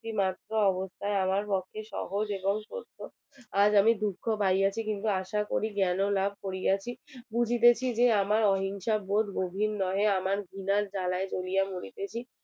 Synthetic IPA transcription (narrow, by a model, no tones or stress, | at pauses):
imat̪ːɾoɔbost̪ʰaeamaɾpɔkʰːeʃɔ̰ɦod͡ʑeboŋko̰ɾt̪o | ad͡ʑamid̪ukʰːobʱaiat͡ɕʰikint̪uaʃakoɾiɡɛnolab̚ʱkoɾiat͡ɕʰibud͡ʑʱit̪̬et͡ɕʰid͡ʑeamaɾɔɦiŋʃaboʈ̪ɡobʱinːɔɦeamaɾɡʱinald͡ʑalaed͡ʑolijamuɽit̪et͡ɕʰi